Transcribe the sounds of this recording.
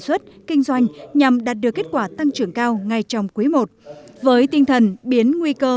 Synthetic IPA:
swə˦˥t̚kï˧ŋ̟zwa˧jŋ̟ɲa˨˩mɗaː˨˩t̚ɗɨ˨˩əkːe˦˥t̚kwaː˧˩t̪a˧ŋt͡ɕɨ˧˩əŋkaː˧wŋa˨˩jt͡ɕɔ˧wŋ͡mku˨˦mo˨˩t̚vəː˨˦jt̪ï˧ŋt̪ʰə˨˩nɓi˨˦ənŋwi˧kəː˧

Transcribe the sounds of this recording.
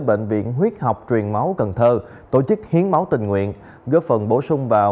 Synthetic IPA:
ɓḛ˧˨ŋ̟vḭ˧˨ənɦwi˦˥ət̚ha˨˩wk͡p̚t͡ɕwi˨˩ənma˨˦wkə˨˩nt̪ʰəː˧ | t̪o̰˧˩t͡ɕɨ˦˥k̚hi˨˦ənma˨˦wt̪ï˨˩ŋ̟ŋwḭ˧˨ən | ɣəː˦˥fə˨˩nɓo˧˩sʊ˧ŋ͡mvaː˨˩

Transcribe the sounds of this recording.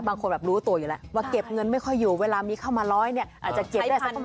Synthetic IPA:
baː˧ŋkʰo˧nbɛː˨˩p̚ɾuː˦˥t̪u˧əjuː˨˩lɛ˦˥waː˧˩ke˨˩p̚ŋɤ˧nma˥˩jkʰɔ˥˩jːuː˨˩weː˧laː˧miː˧kʰa˥˩wmaː˧lɔː˦˥jni˥˩ɐʔaː˨˩t̪̚t͡ɕa˨˩ke˨˩p̚da˦˥˩

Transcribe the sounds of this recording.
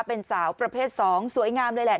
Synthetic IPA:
pe˧nsaː˩˦wpɾa˧pʰeː˥˩t̪̚sɔː˩˦ŋsu˩˦əjŋaː˧mlɤː˧jlɛ˨˩

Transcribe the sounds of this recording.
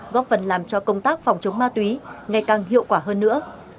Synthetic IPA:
ɣɔ˨˦˥fə˨˩nlaː˨˩mt͡ɕɔ˧kə˧wŋ͡mt̪aː˦˥k̚fwŋ͡mt͡ɕə˨˦wŋ͡mmaː˧t̪wi˨˦ŋa˨˩jkaː˨˩ŋhḭ˧˨əwkwaː˧˩ɦəː˧nːɨ̰˧˥ə

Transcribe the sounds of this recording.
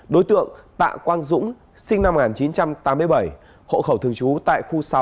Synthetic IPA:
ɗo˨˦jt̪ɨ̰˧˨əŋt̪a̰ː˧˨kwaː˧nzʊ̰˧˥ŋ͡m | sï˧ŋna˧mː˨ŋaː˨˩nt͡ɕi˨˦nt͡ɕa˧mt̪aː˨˦mɨ˧əjɓə˧˩j | ho̰˧˨xə˧˩wt̪ʰɨ˨˩əŋt͡ɕu˨˦t̪a̰ː˧˨jxu˧sa˨˦w

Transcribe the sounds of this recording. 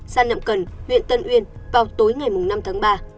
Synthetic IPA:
saː˧nə̰˧˨mkə˨˩nhwḭ˧˨ənt̪ə˧nʔwi˧ənvaː˨˩wt̪o˨˦jŋa˨˩jmʊ˨˩ŋ͡mna˧mt̪ʰaː˨˦ŋɓaː˧

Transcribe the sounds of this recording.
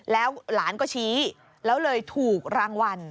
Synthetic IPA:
lɛː˦˥wlaː˩˦nkɔː˥˩t͡ɕʰiː˦˥ | lɛː˦˥wlɤː˧jt̪ʰuː˨˩k̚ɾaː˧ŋwa˧n

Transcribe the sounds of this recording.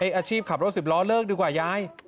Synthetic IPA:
ʔa˧˥jʔaː˧t͡ɕʰiː˥˩p̚kʰa˨˩pɾo˦˥si˨˩p̚lɔː˦˥lɤː˥˩k̚diː˧kwaː˨˩jaː˦˥˩j

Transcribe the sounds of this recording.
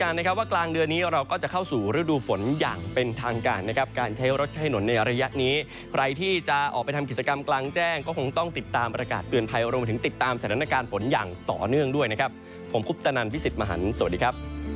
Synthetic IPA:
kaː˧na˦˥kʰa˥p̚waː˥˩klaː˧ŋdɯ˧ənːiː˦˥ɾa˧wkɔː˥˩t͡ɕa˨˩kʰa˥˩wsuː˨˩ɾɯ˦˥duː˧fo˩˦njaː˨˩ŋpe˧nt̪ʰaː˧ŋkaː˧nːa˦˥kʰa˦˥p̚kaː˧nt͡ɕʰa˦˥jɾo˦˥t̪̚t͡ɕʰa˦˥˩jno˩˦nːa˧jɾa˧ja˦˥ʔniː˦˥ | kʰɾʔa˧jt̪ʰiː˥˩t͡ɕa˨˩ʔɔ̰ː˨˩pa˧jt̪ʰmki˨˩t̚t͡ɕa˧ka˧mklaː˧ŋt͡ɕɛː˥˩ŋkɔː˥˩o˧ŋt̪ɔ˥˩ŋt̪i˨˩t̪ːaː˧mpɾa˧kaː˨˩t̪ːɯ˨˩ənpʰa˧jɾu˧ma˧t̪ʰɯ˩˦ŋt̪i˨˩t̪ːaː˧msa˩t̪ʰaː˧˦na˧kaː˧nfo˩˦njaː˨˩ŋt̪ɔ̰ː˨˩nɯ˥˩əŋdu˥˩əjna˦˥kʰa˦˥pʰː | o˩˦mpʰu˦˥p̚t̪a˧na˧npʰi˦˥si˨˩t̪̚ma˧ɦa̰˩˦nsa˨˩˨t̚diː˧kʰa˦˥p̚

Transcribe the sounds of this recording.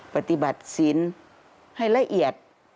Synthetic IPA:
pa˧t̪i˧˦ba˨˩t̪̚si˨˦n | ha˥˩jla˧ʔi˨˩ət̪̚

